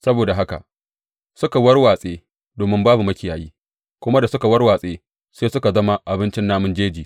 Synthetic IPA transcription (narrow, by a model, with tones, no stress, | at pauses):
sɐ˦boː˨da˨ɦa˦ka̰˨ʔ | sʊ˦ka˨wɐ˦rwaː˨sʼeː˦ | doː˨mɪ˦mbaː˦bu˨mɐ˦kʲɪ˨jaː˨jiː˦ | kʷʊ˦ma˦da˨sʊ˦ka˨wɐ˦rwaː˨sʼeː˦ | seː˦sʊ˦ka˨zɐ˦ma˦ʔa˨bɪ˦nt͡ʃɪ˦nːaː˦mʊ˦nd͡ʒeː˦d͡ʒiː˨